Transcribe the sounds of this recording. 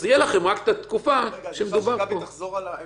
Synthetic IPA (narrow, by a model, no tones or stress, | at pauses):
jelaχe̞mʁakt̪at̪kufaʃemed̪ubaʁpo̞